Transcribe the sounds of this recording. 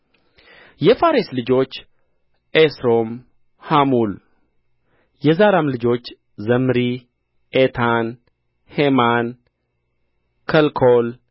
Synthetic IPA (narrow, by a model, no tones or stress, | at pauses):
jɛfaɾeslɨd͡ʒo̞t͡ʃː | esɾo̞m | hamul | jɛzaɾamlɨd͡ʒo̞t͡ʃː | zəmɾi | ʔet̪ʰan | heman | kʰəlkʰol